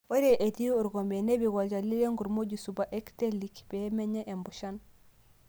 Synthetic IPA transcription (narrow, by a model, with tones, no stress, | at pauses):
o˦ɾeʔe˨di˦o˦u˨ɾɡo˨mbe˨ne˦bi˨ɡa˨d͡ʒa˨li˦le˦ŋɡu˨ɾmo˦ɟusu˨ba˨ʔe˦kte˦likb̥e˦me˦ɲe˦ʔe˨mbu˨ʃa˦n